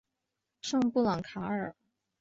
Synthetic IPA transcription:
ʂɤ˥˧ŋpu˥˩lɑ˨˩ŋkʰa˧˥ə˞˨˩˦

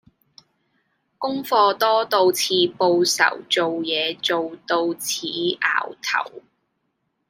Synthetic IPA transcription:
kʊ˥ŋfɔː˧t̪ɔː˥t̪o˧wt͡sʰiː˧po˧wsɐ̰˨˩wt͡so˨wjɛː˨˧t͡so˨wt̪o˧wt͡sʰiː˨˥ʔa̰ː˨˩wt̪ʰɐ̰˨˩w

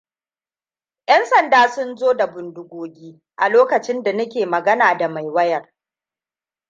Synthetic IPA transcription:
j̰ɐ˦nsɐ˨ndaː˦sʊ˦nzoː˦da˨bʊ˨ndʊ˨ɡʷoː˨ɡʲiː˦ | ʔa˨loː˦kɐ˨t͡ʃɪ˦nda˨nɐ˦kʲeː˨mɐ˨ɡɐ˦naː˨da˨ma˨jwɐ˦jɐ˨r

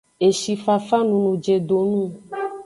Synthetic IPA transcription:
e˨ʃi˧fa˧fa˦nũ˨˧nũ˧d͡ʒe˧do˧nũ˦

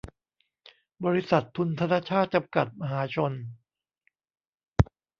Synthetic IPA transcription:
bɔː˧ɾi˧˦˥sa˨˩t̪ʰːu˧nt̪ʰa˧naː˧˥˩t͡ɕʰaː˥˩t̪̚t͡ɕa˧mka˨˩t̪̚ma˧ɦaː˩˦t͡ɕʰo˧n

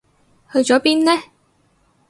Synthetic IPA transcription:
hɵ˧ɥt͡ʃɔː˨˥piː˥nnɛ˥

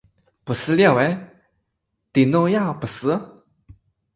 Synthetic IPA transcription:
pu˨˩s̩˥ljɑ˥˩we˧˥ɪ | t̪i˨˩no˥˧ja˥˩pu˨˩s̩˧˥

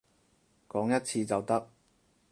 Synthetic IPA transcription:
kɔː˨˥ŋjɐ˥t̚t͡sʰiː˧t͡sɐ˨˩wt̪ɐ˥k̚

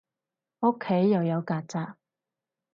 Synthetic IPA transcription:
o˥kʰːe˨˥jːɐ˨wjɐ˨˧wkaː˧t̚t͡saː˧k̚

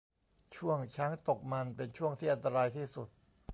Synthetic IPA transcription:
t͡ɕʰu˥˩əŋt͡ɕʰa˦˥ŋt̪o˨˩k̚ma˧npe˧nt͡ɕʰu˥˩əŋt̪ʰiː˥˩ʔa˧nt̪a˧ɾaː˧jt̪ʰiː˥˩su˨˩t̪̚

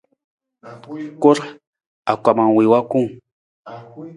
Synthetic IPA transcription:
ko˦ɾ | a˨kʷa˨ma˨ŋwɪwakʊ˦ŋ

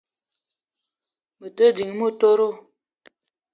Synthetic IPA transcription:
mə˨tə˦di˨ŋ˨mo˦˨to˦ɾo˦˨

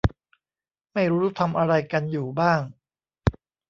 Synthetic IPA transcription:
ma˥˩jɾuː˦˥ɾːt̪ʰa˧mʔa˧ɾa˧jka˧njuː˨˩baː˥˩ŋ

